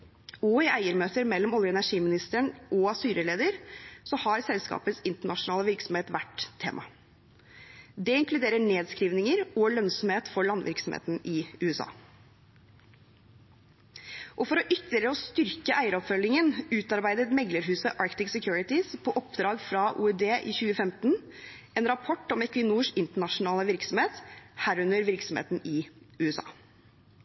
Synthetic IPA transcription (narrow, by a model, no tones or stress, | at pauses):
ɔɪʔæɪəɾmøːt̪əɾmɛlːɔmɔljəɛnæʂiːmɪnɪst̪əəɳʔɔɑsyːɾəleːd̪əɾsɔhɑɾsɛlskɑ̰ːpəsɪnt̪əɳɑʂʊnɑːləʋɪɾksɔmheːt̪ʋæʈt̪ʰːḛːmʔɑ̰ | d̪ɛɪŋklʉd̪eːɾəɳeːd̪skɾiːʋnɪŋəɾɔlœnsɔmheːt̪fɔɭɑnʋɪ̰ɾksɔmhḛːt̪n̩ɪʉːɛsɑ̰ː | ʔɔfɔɾɔʔʏt̪ːəlɪɾəɔst̪ʏɾkəʔæɪəɾɔpfœlːɪŋənʉːt̪ɑɾbæɪd̪ət̪mɛɡləɾɦʉːsəʔɑɾkt̪ɪksɛkʰjuːɾɪt̪ɪspʰɔːʔɔpd̪ɾɑːɡfɾɑʔṵːɛd̪eːʔiːçʉːəfɛmt̪n | ɛːnɾɑpʰɔʈːɔmɛkʋɪnuːʂɪnt̪əɳɑʂʊnɑːləʋɪɾksɔm̩heːt̪hæːɾʉnəɾʋɪɾksɔm̩hḛːt̪n̩ɪ | ʉːɛsɑ̰ː